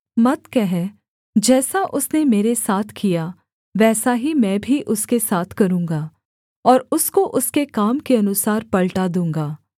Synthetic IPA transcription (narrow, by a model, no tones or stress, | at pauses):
mɐt̪kɛɦɛ | d͡ʒɛːsaʔʊsnemeːɾesaːt̪ʰkija | ʋɛːsaɦimɛ̃ːbʱiʔʊskesaːt̪ʰkɐɾũːŋɡaː | ɔːɾʊskoʔʊskekaːmkeɐnʊsaːɾpɐɭʈad̪ũːŋɡaː